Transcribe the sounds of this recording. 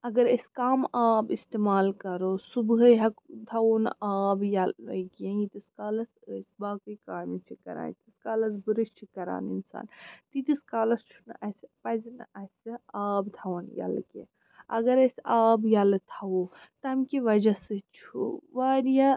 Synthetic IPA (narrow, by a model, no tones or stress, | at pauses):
ɐɡɐɾəskaːmaːbist̪emaːlkɐɾosubɦɐɦɐkd̪ʰʱɐwonaːbjalkjɐ̃jit̪iskaːlɐsəsbaːkɨjkaːmit͡ʃʰikɐ̰ɾa̰ːnt̪iskaːlɐsbɨɾɨʃt͡ʃʰikɐɾa̰ːnḭnsa̰ːnt̪it̪iskaːlɐst͡ʃʰunɨʔɐspɐznɐsɨaːbd̪ʱʰɐwonja̰lkḛ̃ | ɐ̰ɡɐɾəsaːbjɐlt̪ʰɐwot̪ɐɐmkiʋɐd͡ʒasɨt͡ʃʰṵʋaɾja